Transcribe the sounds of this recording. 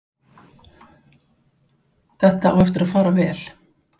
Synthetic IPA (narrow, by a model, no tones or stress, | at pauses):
θɛht̪aa̰wɛft̪ɪɾaðfaːɾavɛːl̥